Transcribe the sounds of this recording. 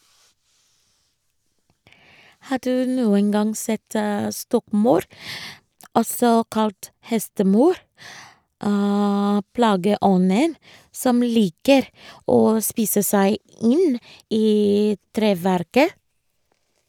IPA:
ˈhɑː ˈdʉː ˈnuːən ˈɡɑŋ ˈsɛt ə ˈstɔkˌmɑʉɾ ˈʔɔsɔ ˈkɑlt ˈhɛstəˌmɑʉɾ ə ˈplɑːɡəˌʔɔnən ˈsɔm ˈliːkəɾ ˈoː ˈspiːsə ˈsæɪ ˈɪn ˈʔiː ˈtɾeːˌʋæɾkə

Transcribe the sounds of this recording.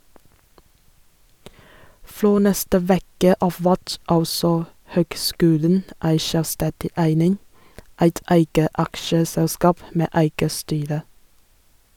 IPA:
ˈfɾoː ˈnɛstə ˈʋeːkə ˈɑːf ˈʋæt ˈɑlsɔ ˈhøːɡˌskʉːlən ˈæɪ ˈʃœlˌstɛdɪ ˈæɪnɪŋ ˈæɪt ˈæɪɡə ˈɑkʃəsɛlˌskɑːp ˈmeː ˈæɪɡə ˈstyːɾə

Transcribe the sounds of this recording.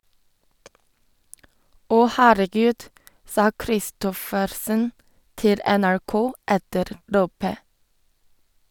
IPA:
ˈɔ ˈhæːɾəˌɡʉːd ˈsɑː kɾɪˈstɔfəɾsən ˈtɪl ɛnæɹˈkoː ˈɛtəɾ ˈloːpə

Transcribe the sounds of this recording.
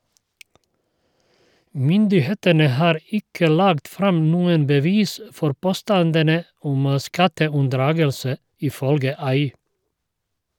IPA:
ˈmʏndɪˌheːtənə ˈhɑːɾ ˈɪkə ˈlɑːɡt ˈfɾɑm ˈnuːən bəˈʋiːs ə ˈfɔɾ ˈpoːˌstɑndənə ˈʊm ˈskɑtəʉnˌdɾɑːɡəlsə ɪˈfœlɡə ˈɑɪ

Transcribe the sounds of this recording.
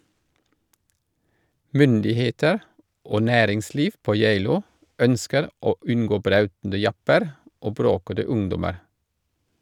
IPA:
ˈmʏndɪˌheːtəɾ ˈoː ˈnæːɾɪŋˌsliːf ˈpoː ˈjeɪluː ˈœnskəɾ ˈoː ˈʉnɡoː ˈbɾɑʉtn̩də ˈjɑpəɾ ˈoː ˈbɾoːkədə ˈʊŋdɔməɾ

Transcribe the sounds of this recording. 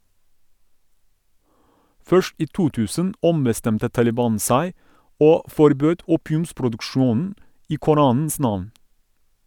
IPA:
ˈfœʃt ˈiː ˈtuː ˈtʉːsən ˈɔmbəˌstɛmtə tɑlɪˈbɑːn ˈsæɪ ˈoː fɔɾˈbøːd ˈuːpɪʉmspɾʊdʉkˌʃuːnn̩ ˈiː kʊˈɾɑːnn̩s ˈnɑʋn

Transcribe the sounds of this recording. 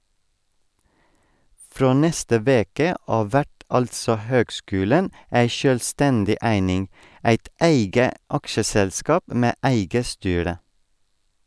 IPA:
ˈfɾoː ˈnɛstə ˈʋeːkə ˈʔɑːʋ ˈʋæʈ ˈɑltsɔ ˈhøːɡˌskʉːlən ˈæɪ ʃœlˈstɛndɪ ˈʔæɪnɪŋ ˈæɪt ˈæɪɡə ˈɑkʃəsɛlˌskɑːp ə ˈmeː ˈʔæɪɡə ˈstyːɾə

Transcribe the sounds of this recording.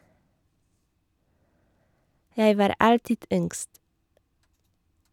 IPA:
ˈjæɪ ˈʋɑːɾ ˈɑltɪd ˈʏŋɡst

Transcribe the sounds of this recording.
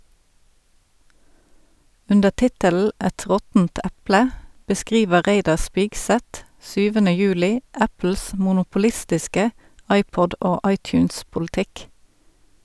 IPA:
ˈʉndəʁ ˈtɪtəl̩ ˈɛt ˈʁɔtn̩t ˈæplə bəˈskʁiːʋəʁ ˈʁeɪdɑʁ ˈspɪɡˌsɛt ˈsyːʋənə ˈjʉːlɪ ˈæpl̩s mʊnʊpʊˈlɪstɪskə ˈʔɑɪpɔd ˈoː ˈɑɪtjʉːnspʊlɪˌtɪk

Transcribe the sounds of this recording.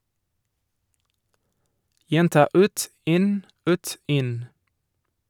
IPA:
ˈjɛntɑː ˈʉːt ˈɪn ˈʉːt ˈɪn

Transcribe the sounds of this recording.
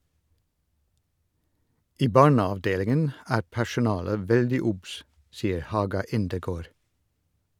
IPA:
ˈiː ˈbɑːɳɑʋˌdeːlɪŋən ˈæːɾ pæʃʊˈnɑːlə ˈʋɛldɪ ˈʊbs ˈsiːəɾ ˈhɑːɡɑ ˈɪndəˌɡoːɾ

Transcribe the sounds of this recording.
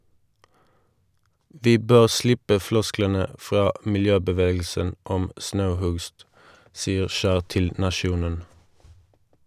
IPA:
ˈʋiː ˈbøːʁ ˈslɪpə ˈflɔsklənə ˈfʁɑː mɪlˈjøːbəˌʋeːɡl̩sən ˈɔm ˈsnɑʉˌhʉɡst ˈsiːəʁ ˈʃæːʁ ˈtɪl nɑˈʃjuːnən

